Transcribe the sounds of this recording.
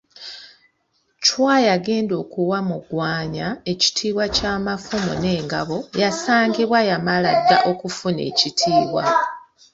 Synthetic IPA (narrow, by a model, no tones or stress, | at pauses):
cwaːjaɡe̞ːndo̞ːkuwamuɡwaːɲae̞ci̥tʰiːβwacaːmafumo̰ne̞ːŋɡaβo̞jasaːŋɡiβwajamaladːaʔo̞kufune̞̰ːcitʰiːβwa̰